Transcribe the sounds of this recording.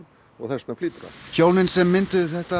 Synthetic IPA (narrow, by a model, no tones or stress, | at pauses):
ɔɣθɛnst̪nafliːt̪ɾa̰çoːwnɪnsɛmːɪnt̪ʏðθɛht̪a